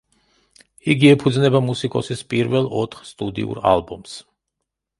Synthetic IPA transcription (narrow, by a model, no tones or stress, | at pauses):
iɡiɛpʰud̪znɛbamusikʼɔsispʼiɾvɛlˠɔt̪ʰχst̪ʼud̪ḭṵɾa̰lˠbɔms